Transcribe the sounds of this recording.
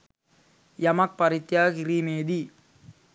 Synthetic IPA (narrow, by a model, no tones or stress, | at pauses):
jɐmɐk̚pɐɾit̪jaːkiɾimeːd̪i